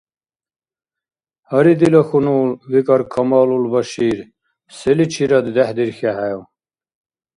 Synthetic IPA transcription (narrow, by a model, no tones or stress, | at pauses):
hɐɾid̪ilɐxunuːlwikɐɾkʰɐmaːlulbɐɕiːɾ | selit͡ɕʰiɾɐd̪d̪ehd̪iɾxaɦajw